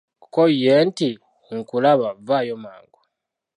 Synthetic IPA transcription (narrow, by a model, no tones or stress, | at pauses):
kojenti | ŋ̩kulaβavaːjoma̰ːŋɡo